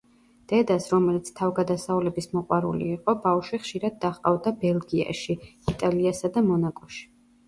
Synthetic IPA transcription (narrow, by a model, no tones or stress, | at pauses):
d̪̥ɛd̪asɾɔmɛlit̪sʰt̪ʰavɡad̪asaulɛbismɔqʼwaɾṵlḭːqʼɔbafʃwiχʃiɾad̪̚ːaχqʼa̰vd̪abɛlˠɡia̰ʃiit̪ʼaliasad̪amɔnakʼɔʃi̥